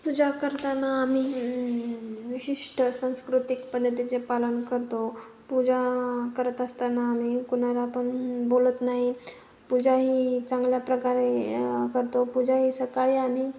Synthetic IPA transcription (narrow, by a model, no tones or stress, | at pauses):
pud͡zakəɾt̪anːaːm̤iː | ʋiɕiʂʈəsãw̃skɾut̪ikpəd̪ːət̪it͡sepalənkəɾt̪o | pud͡zakəɾət̪əst̪anaːm̤iːkunalaːpəɳbolət̪naɦi | pud͡zaɦiːt͡sãŋɡljapɾəkaɾekəɾt̪opud͡zʱaɦiːsəkaɭiam̤iː